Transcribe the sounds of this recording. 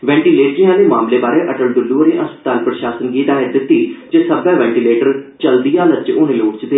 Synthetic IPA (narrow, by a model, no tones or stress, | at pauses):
ʋɛ̃ːɳʈiːleːʈɾijãːd̪eːmaːmleːbaːɾeːʔəʈəld̪ʊlːuːəɾeːʔəspə̥t̪aːlpɾəʃaːsənɡiːt̪aːɪd̪ɪt̪ːiːd͡ʒesəbɛ̃ːʋɛ̃ːɳʈiːleːʈəɾt͡ʃəld̪ijãːlət͡ʃʊːniːloːʈt͡ʃd̪eː